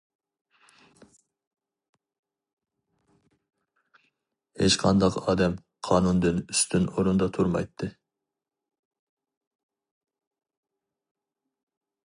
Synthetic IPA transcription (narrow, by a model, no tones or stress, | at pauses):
het͡ʃqʰɑnd̪ɑqɑːd̪ɛm | qʰɑːnund̪ɨnyst̪ʰɪnoɾund̪ɑt̪ʰuɾmɑ̰jt̪ʰːɨ